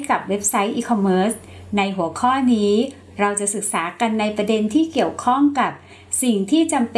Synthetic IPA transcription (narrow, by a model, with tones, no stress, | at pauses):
ka˨˩p̚we˦˥p̚sa˦˥jʔiː˧kʰɔ˧mːɤː˦˥s | na˧jɦu˩˦kʰɔː˥˩niː˦˥ | ɾa˧wt͡ɕa˨˩sɯ˨˩k̚saː˩˦ka˧nːa˧jpɾa˧de˧nt̪ʰiː˥˩ki˨˩əwkʰɔ˥˩ŋka˨˩p̚ | si˨˩ŋt̪ʰiː˥˩t͡ɕa˧mp